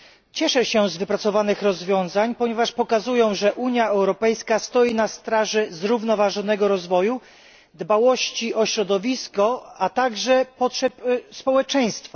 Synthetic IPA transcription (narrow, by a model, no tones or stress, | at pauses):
t͡ɕɛʂɛɕɛzvɘpɾat̪sɔvanɘxɾɔzvʲjɔ̃w̃zaɲpɔɲɛvaʂpɔkazujɔ̃w̃ʐɛʔuɲjaɛwɾɔpɛjskast̪ɔjinast̪ɾaʐɛzɾuvnɔvaʐɔn̪ɛɡɔɾɔzvɔju | d̪bawɔɕt͡ɕiɔɕɾɔd̪ɔvʲiskɔat̪aɡʐɛpɔtʂɛpspɔwɛt͡ʂɛj̃st̪fa